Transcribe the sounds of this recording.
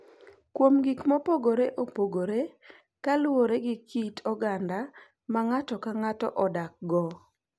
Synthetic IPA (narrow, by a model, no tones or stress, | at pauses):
kwomɡikmopoɡoɾeʔopoɡoɾe | kalwoɾeɡɪkitʰɔɡanda | maŋatɔkaŋatɔ̰ʔɔdak̚ɡɔ